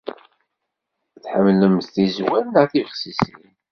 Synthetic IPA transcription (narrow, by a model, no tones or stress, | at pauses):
θħəmːləmθθizwænnəθivəʁsisin